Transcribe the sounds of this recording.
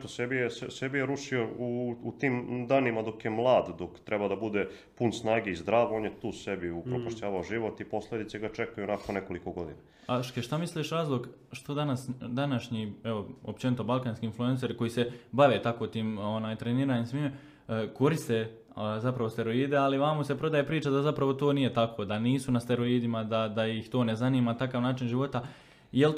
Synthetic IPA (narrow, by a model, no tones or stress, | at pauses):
t̪osebijessebijeɾuʂiouut̪iːmd̪aːnimad̪o̞kjemlˠaːd̪d̪okt̪ɾɛbad̪abud̪e | punsnaːɡeizd̪ɾaːʋoonjet̪uːsebiupɾopaʃt͡ɕaːʋaoʒiʋo̞t̪ipo̞slˠed̪it̪seɡat͡ʃekajuonakonneko̞likoɡo̞d̪ina | aʃkeʃt̪amisliʃɾaːzlˠo̞ɡ | ʃt̪od̪anasd̪anaʃɲieʋo̞o̰pt͡ʃe̞nit̪o̞balkaːnskiinflue̞nse̞ɾko̞jiːse̞baʋe̞ːt̪ako̞t̪iːmo̞naːjt̪ɾeniːɾaːɲimsʋiːme | ko̞ɾist̪e̞ | zapɾaʋost̪e̞ɾo̞iːd̪e̞aliʋaːmose̞pɾo̞d̪ajepɾiːt͡ʃad̪azapɾaʋo̞t̪o̞ːnije̞t̪akʋod̪aniːsunast̪e̞ɾo̞iːd̪imad̪ad̪ajixt̪o̞ːne̞zaniːmant̪akaːʋnaːt͡ʃinʒiʋo̞t̪a | jel